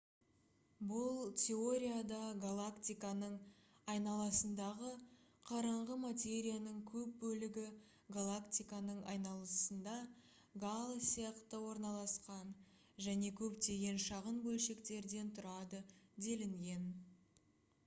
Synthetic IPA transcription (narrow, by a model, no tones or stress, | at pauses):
bʊlˠt̪ʲʰe̞o̞ɾʲijad̪ɑɡalˠakt̪ijkanəɴɑjnɑlˠɑsənd̪ɑʁəqʰɑɾɑɴʁəmat̪ʲe̞ɾʲijanəɴkʲʰɵp̚bɵlɪɡʲɪ | ɡalˠakt̪ijkanəɴɑjnɑlˠəsənd̪ɑ | ɡalˠsijɑqt̪əwo̞ɾnɑlˠɑsqɑn | ʒæne̞kʲʰɵpt̪e̞ɡʲe̞nʃɑʁənbɵlʃe̞kt̪e̞ɾd̪e̞nt̪ʰʊɾɑd̪əd̪e̞lɪŋɡʲe̞n